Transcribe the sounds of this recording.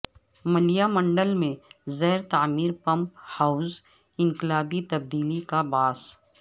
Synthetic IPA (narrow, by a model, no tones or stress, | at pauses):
mɐlijamə̃ɳɖəlmẽzɛːɾt̪aːmiːɾpɐ̃mphaːʊz | ɪ̃ŋkɪlaːɖit̪ɐb̚d̪iːlikabaːs